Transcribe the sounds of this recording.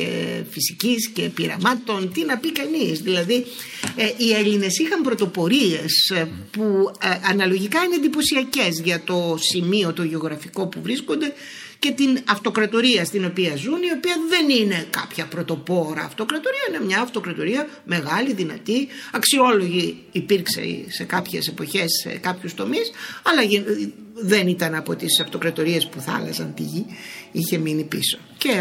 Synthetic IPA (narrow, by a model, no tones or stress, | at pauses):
ḛfisiciscepiɾɐ̰mɐt̪o̞nt̪inɐpikɐnisðilɐði | ʔieʎine̞sixɐmpɾo̞t̪o̞po̞ɾie̞spuɐnɐlo̞ʝikɐine̞ðipo̞siɐce̞zʝɐt̪o̞simio̞t̪oʝeo̞ɣɾɐfiko̞puvɾisko̞nd̪e̞ | ce̞t̪inɐft̪o̞kɾɐt̪o̞ɾiɐst̪ino̞piɐzunio̞piɐðe̞nine̞kɐ̰pçɐpɾo̞t̪o̞po̞ɾɐ̰ːft̪o̞kɾɐt̪o̞ɾiɐinemɲɐːft̪o̞kɾɐt̪o̞ɾiɐ | me̞ɣɐliðinɐt̪iɐksio̞lo̞ʝiː | piɾkse̞̰se̞kɐpçe̞se̞po̞çe̞sːḛkɐpçust̪o̞misɐlɐʝi | ðe̞nit̪ɐnɐpo̞̰t̪isɐft̪o̞kɾɐt̪o̞ɾie̞spuθɐ̰lɐ̰sɐnt̪iʝiiçe̞minipiso̞̥ce